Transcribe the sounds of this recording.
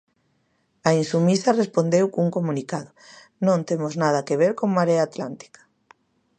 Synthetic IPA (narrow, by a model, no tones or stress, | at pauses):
ainsumiθarespond̪ewkuŋkomũnikaðo | nõnt̪emoznað̞akeβ̞eɾkoŋmaɾeaːt̪lant̪i̥kḁ